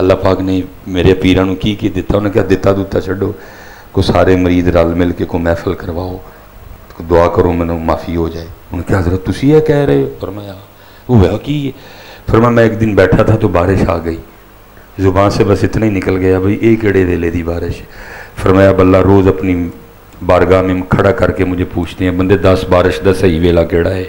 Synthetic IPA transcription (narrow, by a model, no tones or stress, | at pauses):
əlːaːpaːkneːmeːɾeːpiːɾãːnũːkiːked̪ɪt̪ːaːʊnãːkjaːd̪ɪt̪ːaːd̪uːt̪ːaːt͡ʃʰəɖoː | koːsaːɾeːməɾiːd̪ɾalmɪlkeːkoːmɛ̃ːfʰəlkəɾʋaːoː | d̪ʊaːkəɾoːmɛ̃ːnõːmaːfʰiːɦoːd͡ʒaːeːʊnːkjaːɦəzɾət̪t̪ʊsiːɛːkɛːɾəɦeoːpʰəɾmaːjaː | oːʋɛokiː | pʰəɾmaːaːmɛ̃ːɪkd̪ɪnbɛːʈʰaːt̪ʰaːt̪oːbaːɾɪʃaːɡəiː | zʊbãːnseːbəsɪt̪naːiːnɪkəlɡəjaːbəiːʔeːkeːɽeːʋeːleːd̪iːbaːɾɪʃpʰəɾmaːjaːbəlːaːɾoːzəpniː | baːɾɡaːmẽːmkʰəɽaːkəɾkeːmʊd͡ʒʱeːpuːt͡ʃʰd̪eːɦɛ̃ːbənd̪eːd̪əsbaːɾɪʃd̪əsəiːʋeːlaːkeːɽaːɦɛː